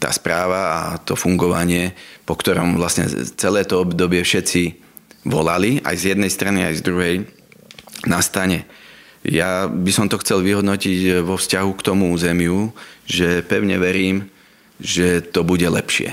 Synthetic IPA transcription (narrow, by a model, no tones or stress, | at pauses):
t̪a̰ːspɾaːʋaa̰t̪ɔfuŋɡɔʋaɲɪɛpɔkt̪ɔɾɔ̰mʋlasɲɛ̰t͡sɛlɛːt̪ɔɔbd̪ɔbɪɛfʃɛt͡si | ʋɔlalia̰jzjɛd̪nɛjst̪ɾania̰jzd̪ɾuɦɛj | nast̪aɲɛ | jabisɔmt̪ɔxt͡sɛlʋiɦɔd̪nɔcicʋɔfscaɦukt̪ɔmuuːzɛmjuʒɛpɛʊɲɛʋɛɾiːm | ʒɛt̪ɔbuɟɛlɛpʃɪɛ̰